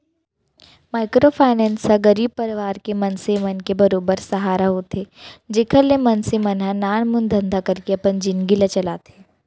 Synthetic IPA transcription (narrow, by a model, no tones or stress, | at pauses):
maːɪkɾopʰaːɪnɛ̃ːnsaɡəɾiːb̚pɐɾɪʋaːɾkemɐnsemɐnkebɐɾoːbəɾsɐɦaːɾaɦot̪ʰeːd͡ʒeːkʰəɾlemɐnsemɐnɦãnaːɳ̃mʊnd̪ʱɐ̃nd̪ʱakɐɾkeɐpənd͡ʒɪnɡɪlat͡ʃɐlaːt̪ʰeː